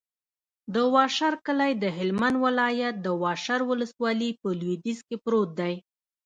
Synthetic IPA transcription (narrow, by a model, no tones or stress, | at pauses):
d̪əwɑʃaɾkəlajd̪əɦɪlmand̪wɪlɑjat̪̚d̪əwɑʃaɾwʊləswɑlipəlwid̪izkepɾot̪̚d̪aj